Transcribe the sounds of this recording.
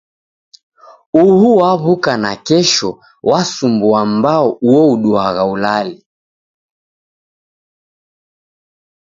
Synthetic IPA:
uhuwaβukanakɛʃɔ | wasumbuambaɔuɔuɗuaɣaulali

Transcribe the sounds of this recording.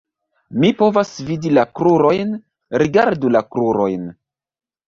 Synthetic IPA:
mipo̞vasvidilakɾuɾo̞jn | ɾiɡaɾdulakɾuɾo̞̰jn

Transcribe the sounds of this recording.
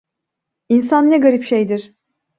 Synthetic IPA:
insanːɛɡaɾipʃejd̪iɾ̥

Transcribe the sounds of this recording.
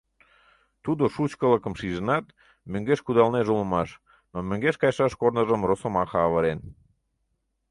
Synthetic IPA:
t̪ud̪oʃut͡ɕkələkəmʃiʒənɑt̪ | møŋɡeʃkud̪ɑlneʒulə̆mɑʃ | nomøŋɡeʃkɑjʃɑʃkornəʒəmrosə̆mɑxɑːβəɾen

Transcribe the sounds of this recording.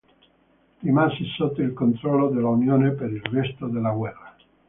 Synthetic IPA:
rimansisot̪ːoilkont̪ɾɔlːod̪elːaunjoːnepeɾilrɛst̪od̪elːaɡwɛrːa

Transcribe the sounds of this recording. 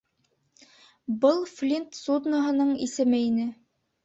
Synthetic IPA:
bɤlˠflʲint̪sud̪noɦɤ̆nɤɴisɘ̆mɘinɘ

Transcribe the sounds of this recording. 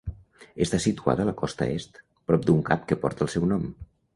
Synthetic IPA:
əst̪asit̪ua̰ðələkɔst̪ə̰est̪ | pɾɔp̚d̪uŋkap̚kəpɔ̰ɾt̪əlˠsɛwnɔm

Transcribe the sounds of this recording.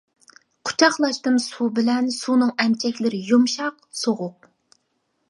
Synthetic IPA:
qʰʊ̥t͡ʃʰɑχlˠɑʃt̪ɨmsubɪlɛnsunɨŋɛmt͡ʃʰɛkʲlɪɾɪjumʃɑq | soʁʊq̚

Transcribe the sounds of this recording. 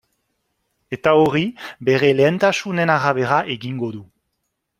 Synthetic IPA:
e̞t̪aoribe̞ɾe̞leːnt̪asune̞naɾaβe̞ɾaʔe̞ɣiŋɡo̞ðu

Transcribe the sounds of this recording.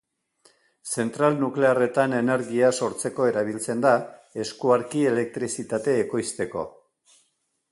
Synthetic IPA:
se̞nt̪ɾalnukle̞are̞t̪ane̞ne̞ɾɣiaso̞ɾt͡se̞ko̞e̞ɾaβ̞ilt͡se̞nd̪ae̞skuaɾkie̞le̞k̚t̪ɾisit̪at̪e̞ːko̞jst̪e̞ko̞̰

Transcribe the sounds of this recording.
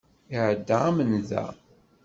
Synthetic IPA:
iʕəd̪ːaamənðæ̰

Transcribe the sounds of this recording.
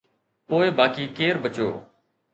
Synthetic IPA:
poːebaːkiːkeːɾbət͡ʃo̰ː

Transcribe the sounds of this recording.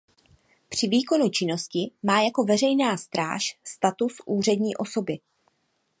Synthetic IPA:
pr̝̥ɪviːko̞nut͡ʃɪno̞scɪmaːjako̞vɛrɛjnaːst̪ɾa̰ːʃst̪at̪usʔuːrɛdɲiːʔo̞so̞bɪ

